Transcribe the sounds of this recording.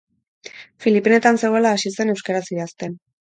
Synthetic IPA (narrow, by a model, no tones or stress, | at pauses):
filipene̞t̪anse̞ɣo̞elaːsise̞ne̞wskaɾasiast̪e̞n